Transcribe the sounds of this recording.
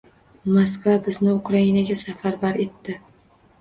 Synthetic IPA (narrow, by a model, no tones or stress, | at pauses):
mos̬kvabɪznɪʊkʰɾainaɡʲasafaɾbaɾe̞t̪ːɪ